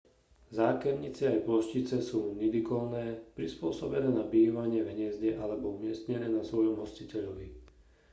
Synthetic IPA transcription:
zaːkɛɾɲit͡siajplɔʃcit͡sɛsuːnid̪ikɔlnɛːpɾispʊɔsɔbɛnɛːnabiːʋaɲɪɛʋɦɲɪɛzɟɛʔalɛbɔumɪɛst̪ɲɛnɛːnasʋɔjɔmɦɔscicɛʎɔʋi

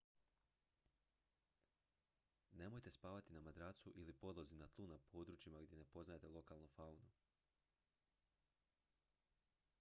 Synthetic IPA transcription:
ne̞mo̞jt̪e̞spaːʋat̪inamad̪ɾaːt̪suʔilipo̞d̪lˠozinat̪lˠunapʰo̞ːd̪ɾut͡ʃimaɡd̪jene̞po̞znaje̞t̪elo̞kalˠnofaunu

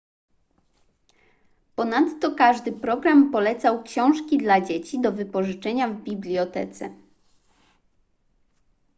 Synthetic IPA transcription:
pɔnat̪ːɔkaʐd̪ɘpɾɔɡɾampɔlɛt̪sawkɕɔ̃w̃ʂkʲid̪lad͡ʑet͡ɕid̪ɔvɘpɔʐɘt͡ʂɛɲavbʲiblʲjɔt̪ɛ̰t̪sɛ̰

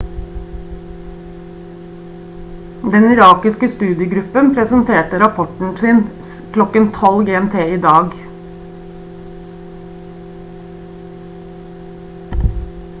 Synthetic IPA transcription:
d̪ɛnɪɾɑːkɪskəst̪ʉːd̪ɪəɡɾʉpənpʰɾɛsənt̪ʰeːʈəɾɑpʰɔʈɳ̩siːn | kʰlɔkənt̪ʰɔlɡeːɛmt̪ʰeːiːd̪ɑːɡ

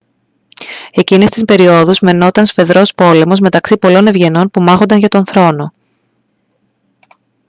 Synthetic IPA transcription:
e̞cine̞st̪ispe̞ɾio̞ðuzme̞no̞t̪ɐnsfe̞ðɾo̞spo̞le̞mo̞zme̞t̪ɐksipo̞lo̞ne̞vʝe̞no̞npumɐxo̞nd̪ɐnʝɐt̪o̞nθɾo̞no̞

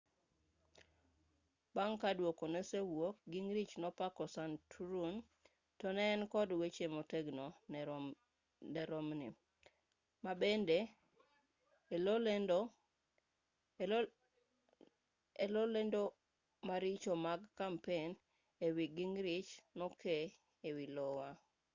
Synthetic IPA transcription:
baŋkadwokonesewok̚ɡiŋɾit͡ʃnɔpakɔsantʰuɾun | tɔnɛːnkɔdwet͡ʃemoteɡno | nɛɾɔmnḭ | mabende | lolend | elolendo | maɾɪt͡ʃomaɡkampen | ewiɡiŋɾit͡ʃnɔkʰe | ewilɔwa

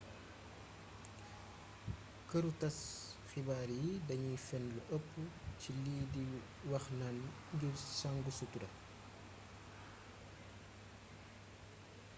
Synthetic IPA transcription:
kəɾutɐsxibaːɾjidɐɲifɛnluʔəpːuciliːdi | wɐxnɐn | ɡiɾsaŋɡusutudɐ̰

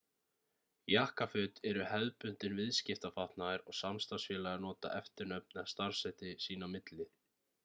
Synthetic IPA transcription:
jahkafʏt̪ɛɾʏhɛðpʏn̥t̪ɪnvɪðscɪft̪afaht̪naðɪɾɔɣsamst̪asfɛːlaɾnɔːt̪a̰ʔɛft̪ɪɾnœp̚nɪast̪aɾ̥sɛjt̪ɪsiːnamɪt̪lɪ

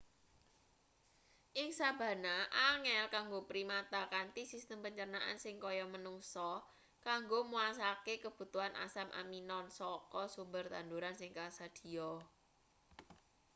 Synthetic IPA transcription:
ʔɪŋsab̥ä̤naʔaŋɛlkaŋɡopɾimat̪akant̪isist̪əmpəɲt͡ʃərnaʔa̰nsɪŋkɔjɔmənuŋsɔ | kaŋɡomuas̬akekəb̥ṳt̪uɦanʔa̰samʔa̰minɔnsɔkɔsumbərt̪and̪uɾansɪŋkasad̪̥i̤ɔ

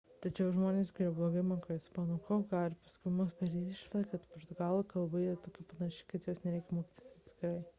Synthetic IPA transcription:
t̪ɐt͡ʃʲɛʊʒmoːnʲeːsɡʲɛblˠoːɡɐɪmɐkoːɪsmɑːnokoːɡɑːlɾʲpɐskʊɪmʊsbʲɛɾʲiːt̪ʲɪʃʲlʲˠɐkɐt̪poɾt̪ʊɡɑːlˠokɐlˠbɐiɾɐt̪oːkʲɪpɐnɐʃʲɪːkɐt̪joːsnʲɛɾʲɛɪkʲɛmoːkʲiːt̪ʲɪsʲɐt̪ʲsʲkʲɪɾɐɪ

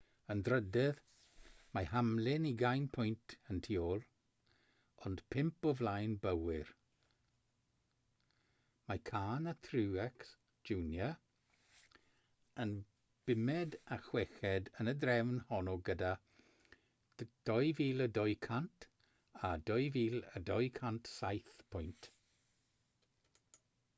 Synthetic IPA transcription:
əndɾədɛð | majhamlɪniɡajnpʰʊjntʰəntʰiɔlˠ | ɔndpʰɪmpɔvlajnbəwɪɾ | majkʰaːnətʰɾuːɛks | d͡ʒuːnjə | ən | b̥ɪmɛdaxwɛxɛdənədɾɛwnhɔnɔɡəda | d̥ɔjviːlˠədɔjkʰantʰ | adɔjviːlə̰dɔjkʰantsajθpʰʊjnt

